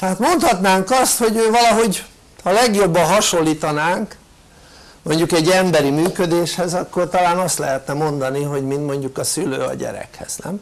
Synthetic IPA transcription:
t̪ɛɦaːt̪mo̞nt̪hɒt̪naːŋkɒst̪ho̞ɟøːvɒlɒɦo̞ɟ | hɒlɛɡjo̞bːɒɦɒʃo̞lːiːt̪ɒnaːŋk | mo̞ɲɟukɛɟːɛmbɛɾimyːkød̪eːʃhɛzɒkːo̞rt̪ɒlaːnɒst̪lɛ̰ɦɛt̪nɛmo̞nd̪ɒniɦo̞ɟmint̪mo̞ɲɟukɒsylø̰ːɒ̰ɟɛ̰ɾɛ̰khɛ̰z̥nɛ̰m

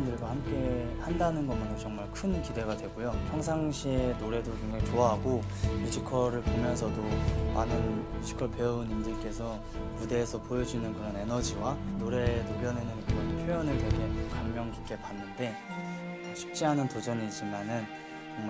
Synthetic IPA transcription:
ndɯɭɡohamk͈e̞handanɯnɡʌmɯnot͡ɕʌŋmaɭkʰɯnkide̞ɡadwe̞ɡojopʰjʌŋs̬ʰaŋɕʰienoɾe̞dokeŋɡaŋit͡ɕoaɦaɡo | mud͡ʑʰikʰʌɾɯɭpomjʌns̬ʰʌdomanɯnmjud͡ʑʰi̥kʰʌɭpe̞ʌunimdɯɭk͈e̞sʰʌ | mude̞ːsʰʌpojʌd͡ʑinɯnkɯɾʌne̞nʌd͡ʑiwanoɾe̞nopʰjʌnenɯnkɯɾʌnpʰjojʌnɯɭtwe̞ɡe̞kamːjʌŋki̥k͈e̞panːɯnde̞ | ɕʰi̥p̚t͡ɕ͈iɦanɯntod͡ʑʌniːt͡ɕ͈imanɯn | t͡ɕʌŋma

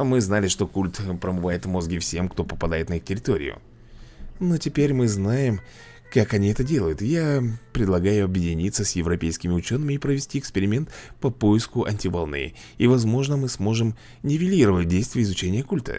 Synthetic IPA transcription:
mɨznalʲɪʂt̪o̞kulʲt̪pɾəmɨvajɪt̪vmo̞zɡʲɪfsʲe̞mkt̪o̞pəpɐd̪ajɪt̪nəixtʲɪɾʲɪt̪o̞ɾʲɪ̰jʊ̰ | no̞tʲɪpʲeɾʲmɨznajɪm | kakɐnʲiɛt̪ədʲe̞lˠəjʊt̪japɾʲɪd̪lˠɐɡajʊɐbjɪdʲɪnʲit̪səsʲjɪvɾɐpʲejskʲɪmʲɪʊt͡ɕo̞nːɨmʲɪːpɾəvʲɪsʲtʲiɪkspʲɪɾʲɪmʲe̞nt̪pɐpo̞jɪskʊʔɐnʲtʲɪvɐlˠnɨ̰ | ivɐzmo̞ʐnəmɨsmo̞ʐɨm | nʲɪvʲɪlʲiɾəvət̚ʲdʲejst̪vʲɪjəɪzʊt͡ɕenʲɪjəkulʲt̪ə̰

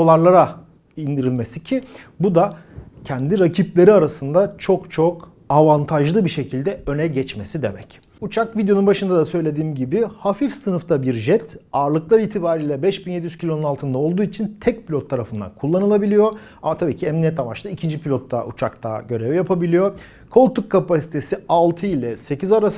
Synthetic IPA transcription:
olˠaɾlˠaɾa | ind̪iɾilʲmesicʰi | bud̪acʰɛnd̪iɾacʰiplʲe̞ɾiaɾasɯnd̪at͡ʃʰo̞kt͡ʃʰo̞k | avant̪ʰaʒlˠɯbiʃe̞cʰilʲd̪ɛø̞nɛɟɛt͡ʃme̞sid̪e̞mɛc | ut͡ʃʰakvid̪jounbaʃɯnd̪ad̪asø̞jlʲe̞d̪iːmɟibɪhafifsɯnɯft̪ʰabiɾʒɛt̪ʰaɾlˠɯklˠaɾilt̪ʰibaːɾiːlʲɛbɛʃbinjed̪ijyz̥cʰilʲo̞nunalˠt̪ʰɯnd̪aolˠd̪uːit͡ʃʰint̪ʰɛc̚pʰilʲot̪ʰːaɾafɯnd̪a̰nkʰulˠːanɯlˠabilʲijo̞ | amat̪ʰabiːcʰiɛmnijɛt̪avat͡ʃt̪aicʰind͡ʒipʰilʲot̪ʰːa̰ʔut͡ʃʰakt̪a̰ɟø̞ɾɛvjapʰabilʲijo̞ | kʰo̞lʲˠt̪ukkʰːapasi̥t̪ʰe̞sialˠt̪ʰɯilʲɛse̞cʰizaɾas

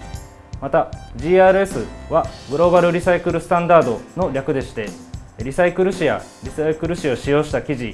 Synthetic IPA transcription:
mat̪aʑiːaːɾɯ̟e̞sɨβaɡɯ̟ɾo̞ːbaɾɯ̟ɾʲisaikɯ̟ɾɯ̟sɨ̥t̪ãnd̪aːd̪o̞no̞ɾʲakɯ̟d̪e̞ɕi̥t̪e̞ɾʲisaikɯ̟ɾɯ̟ɕijaɾʲisaikɯ̟ɾɯ̟ɕio̞ɕijo̞ːɕi̥t̪akʲiʑi

